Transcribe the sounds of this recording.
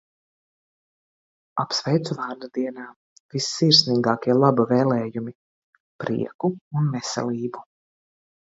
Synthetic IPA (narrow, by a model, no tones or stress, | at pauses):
apsvɛjt̪suvaːɾd̪ad̪iɛnaː | visːiːɾsniːɡaːkʲiɛlˠabavɛːlɛːjumi | pɾḭɛkuunmɛsɛ̰lˠiːbu